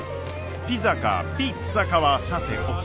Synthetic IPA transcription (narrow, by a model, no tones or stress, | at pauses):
t̪ʲizaka̰pi | t͡sakaβasat̪ḛʔok